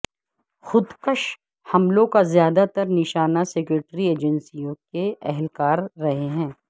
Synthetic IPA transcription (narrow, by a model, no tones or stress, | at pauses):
xʊd̪kəʃ | hɐmlõkazjaːd̪at̪ɐɾnɪʃaːnasɛːkɾeːʈɾieːd͡ʒənsijõkeɛɦɛlkaːɾːɐɦeɦɛ̃ː